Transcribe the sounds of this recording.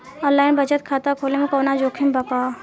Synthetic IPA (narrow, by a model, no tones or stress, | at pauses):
ɔ̃ːlaːɪnbɐt͡ʃət̪̚kʰaːt̪akʰoːlemẽkoːnad͡ʒoːkʰimbɐkaː